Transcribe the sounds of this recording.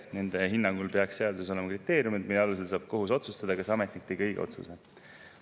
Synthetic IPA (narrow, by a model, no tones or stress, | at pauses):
ne̞nd̪̥e̞ɦinːɑŋɡ̥ulpe̞ɑksseɑd̪uses̬o̞le̞mɑkrit̪ːˑe̞ːɾjumid̪mileɑlus̬e̞lsɑːb̥̚ko̞ɦuso̞t̪sust̪ɑd̪̥ɑkɑsɑmet̪nikt̪ːejɡɤjɡ̥eo̞̰t̪sṵse̞